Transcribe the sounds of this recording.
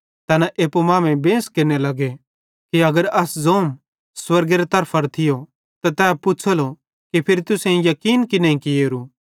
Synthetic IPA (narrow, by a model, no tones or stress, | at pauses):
t̪ɐnɛʔeːpomãːmẽbẽːskeɾnelɐɡe | kiɐɡəɾɐszoːm | swɐɾɡeɾet̪ɐɾpʰɐɾt̪ʰɪjo | t̪at̪ɛːpʊt͡ʃʰəlo | kipʰɪɾt̪ʊsẽĩjɐkiːnkinɐ̃ĩkieːɾu